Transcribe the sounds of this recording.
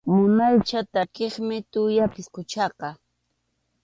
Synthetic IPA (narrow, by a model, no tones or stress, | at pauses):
mʊnajt͡ʃat̪akeχmɪt̪ʊjapɪskʊt͡ʃɑqɑ